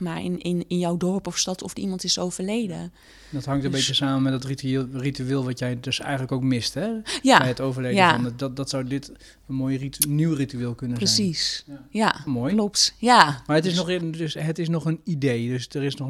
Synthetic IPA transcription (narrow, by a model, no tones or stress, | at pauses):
maɪnɪnɪnjɔwdɔɹpɔfstɔtɔfəimɑntɪsowvərlejdə̰ | dɔtɦɑŋtəmbetəsaːmənmɛt̚dɔtritˠrityeːlˠʋɑtjɛjdøsɛ̰jəntləkowkmɪstɛjabɛjətowvərlejəaɔnddɔtsawdɪt | ənmoːjiniwrityɪːlˠkønəprəsisjamoːjlɔptjamaːɹətɪsnɔxdøsɦətɪs̬nɔχənidejdøsdərɪsnɔx